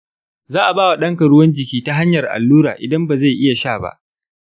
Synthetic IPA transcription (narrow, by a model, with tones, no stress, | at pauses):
zaː˦ʔa˨baː˦wa˨ɗɐ˦ŋkɐ˨ɽʊ˦wɐ˦nd͡ʒɪ˨kʲiː˦ta˦ɦa˦ɲjɐ˨rʔa̰˨lːuː˦ɾaː˨ʔɪ˨dɐ˦mba˨za˦˨jʔɪ˦ja˨ʃaː˦˨ba̰˦ʔ